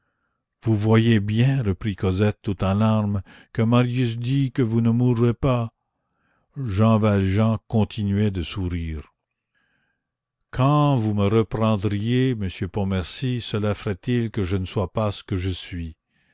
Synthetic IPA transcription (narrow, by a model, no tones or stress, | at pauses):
vuvwajebjɛ̃ʁəpɾikɔzɛt̪ːut̪ɑ̃laʁmkəmaʁjys̬d̪ikəvunəmuʁːepa | ʒɑ̃valʒɑ̃kɔ̃t̪ʰinɥɛd̪əsuʁiːʁ | kʰɑ̃vuməʁəpʁɑ̃d̪ʁijeməsjøpɔ̃mɛʁsisəlafəʁɛt̪ilkəʒənəswapasə̥kəʒəsɥi